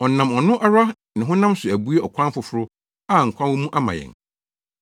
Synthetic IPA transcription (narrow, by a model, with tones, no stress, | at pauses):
ɔ˨nã˨mɔ˨nʊ̃˦ʔa˦ɾa˦ | nɪ̃˨ɦʊ̃˦nã˦msʊ˨æ˨bu˦e˦ɔ˨kʷʰã˦n˦fʊ˨fʊ˦ɾʊ˦ | a˦˨ŋ̩˨kʰʷã˦nwo˦mũ˦ʔa˦mã̰˨jɛ̰̃˨ŋ